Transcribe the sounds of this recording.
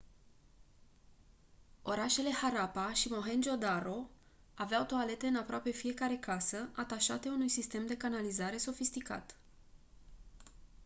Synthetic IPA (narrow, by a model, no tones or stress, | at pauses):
o̞ɾaʃe̞le̞haɾapaʃimo̞ɦe̞nd͡ʒo̞d̪aɾo̞ | aveawt̪oale̞t̪e̞ɨnapɾoape̞fije̞kaɾe̞kasəʔat̪aʃa̰t̪e̞unujsist̪e̞md̪e̞kanalizaɾe̞so̞fist̪ika̰t̪